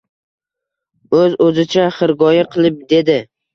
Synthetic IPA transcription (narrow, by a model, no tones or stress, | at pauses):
ɵzɵzɪt͡ʃʰaχɨɾɡɒjaqʰɨlˠɪp̚d̪e̞d̪ɪ